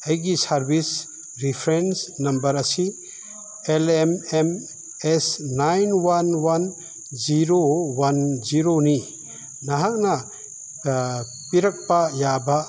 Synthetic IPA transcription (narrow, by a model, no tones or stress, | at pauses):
ɐjɡisaɾbis | ɾipʰɾensnɐmbɐɾɐsi | elemem | esnajnwanwan | ziɾowanziɾoni | naɦak̚na | piɾɐk̚pajaba